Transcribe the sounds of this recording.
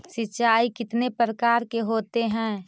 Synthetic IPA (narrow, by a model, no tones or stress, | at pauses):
sɪtːt͡ʃaːikɪt̪nepɾɾəkaːɾkeɦoːt̪eɦɛ̃ː